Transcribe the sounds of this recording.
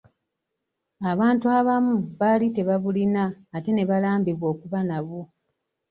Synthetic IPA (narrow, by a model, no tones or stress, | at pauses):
aβaːntuaβamuβalite̞βaβulinaːte̞ne̞βalaːmbiβwo̞ːkuβanaβu